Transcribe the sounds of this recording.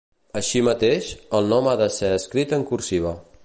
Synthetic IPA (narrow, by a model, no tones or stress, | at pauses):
əʃimət̪eʃəlˠnɔmaðəseəskɾit̪əŋkuɾsiβ̞ə